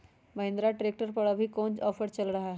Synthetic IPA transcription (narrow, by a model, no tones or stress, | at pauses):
mɐɦẽnd̪ɾaʈɾeːk̚ʈəɾpəɽɐbʱikõːnt͡ʃɔːfəɾt͡ʃɐlɾɐɦaɦɛ